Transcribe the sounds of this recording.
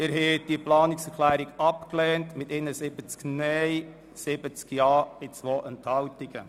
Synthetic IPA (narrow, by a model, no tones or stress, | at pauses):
ɪɾɦɛd̥iəplɑːnɪksəɾχlæːɾiɡɑpklɛːntmɪtɪnəsɪb̥ət͡sknɛj | sɪbət͡skjɑːɪt͡sʋoːʔɛnthɑwtiɡə